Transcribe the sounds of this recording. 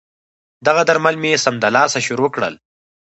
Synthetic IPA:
d̪aɣad̪aɾmalmesamd̪alɑːsaʃʊɾokɽə̰l

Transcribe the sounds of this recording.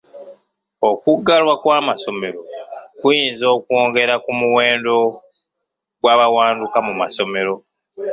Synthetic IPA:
o̞kuɡːalwakwaːmaso̞me̞ɾo̞kujiːnzo̞ːkuoːŋɡe̞ɾakumuwe̞ːndo̞ | ɡ̥waβawaːndukamumaso̞me̞ɾo̞

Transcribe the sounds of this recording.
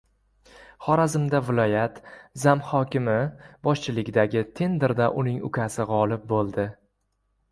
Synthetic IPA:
χɒɾazɪmd̪avɪlˠɒjat̪zamhɒkʲɪmɪbɒʃt͡ʃʰɪlɪɡʲd̪aɡʲɪt̪ʰe̞nd̪ɪɾd̪aʔʊnɪŋʊ̰kʲʰasɪʁɒlˠɪp̚bolˠd̪ɪ

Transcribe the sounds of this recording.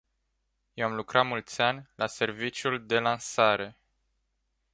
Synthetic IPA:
je̞wamlukɾat̪mult̪sʲanʲlase̞rvit͡ʃjuld̪e̞lansaɾe̞

